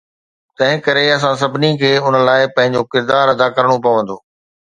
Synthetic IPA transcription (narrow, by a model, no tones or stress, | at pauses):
t̪ɐ̃ɦɪ̃kɐɾeɐs̬ãsɐbɪnikʰeːʊnə̆laːɪpɐ̃ɦɪ̃ɲd͡ʑokɪɾd̪aːɾɐd̪akɐɾɽ̃opɐʋə̃n̆d̪oː